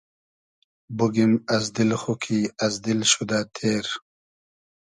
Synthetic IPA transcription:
buɡimɐzd̪ilxukʰiɐzd̪ilɕud̪at̪ʰeːɾ

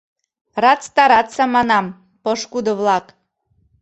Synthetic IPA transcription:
rɑt͡st̪ɑɾɑt͡sɑmɑnɑm | poʃkud̪ɤ̆βlˠɑk

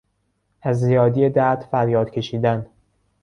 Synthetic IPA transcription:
ʔæzːijɒːd̪ijed̪æɾd̪fæɾjɒːd̪̥cʰe̞ʃiːd̪æn

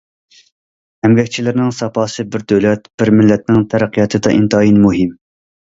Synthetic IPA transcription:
ɛmvɛk̚ʲt͡ʃʰilɪɾnɪŋsɑpʰɑːsɨbɪɾd̪ølɛt̪b̥ɪɾmɪlːɛt̪̚nɪŋt̪ʰæɾæqʰːijɑt̪ʰɨd̪ɑ̰ʔint̪ʰɑːjinmuɦɪm

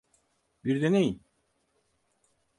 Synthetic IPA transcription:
biɾd̪enejin

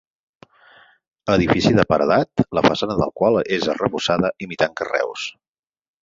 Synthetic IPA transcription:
əðifisiðəpəɾðat̪ləfəsanəðə̰lˠkwalˠezərəβusaðəʔimit̪aŋkərɛ̰ws

